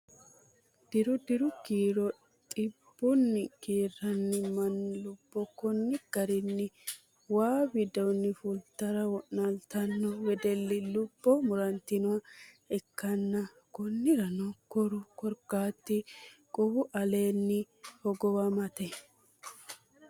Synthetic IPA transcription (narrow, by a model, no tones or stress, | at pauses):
d̪̥ɪɾʊd̪ɪɾʊkiːɾɔ | t̪ʼɪb̥ːʊnːɪkiːrːɐnːɪmɐnlʊb̥ːɔkɔnːɪɡ̥ɐɾɪnːɪ | waːbɪd̪ɐwnːɪfʊlt̪ːɐɾɐwɔʔnɐlt̪ɐnːɔwɛd̪ɛlːɪlʊbːɔmʊɾɐnt̪ːɪnʊwɐ | ɛkːɐnːɐ | kɔnːɪɾɐnɔkɔɾʊkɔɾkːaːt̪ːɪkʼɔwʊʔɐle̞ːnːɪ | hɔɡɔwɐmɐt̪ɛ